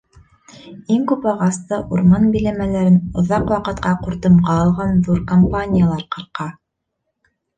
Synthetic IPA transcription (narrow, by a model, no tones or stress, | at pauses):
iŋkʉpɑʁɑst̪ɤʔuɾmɑnbĭlæmælæɾɘnŏðɑqwɑqɤ̆t̪̚qɑquɾt̪ɤmʁɑːlˠʁɑnðuɾkɐmpanʲɪjalˠɑɾqɤ̆ɾqɑ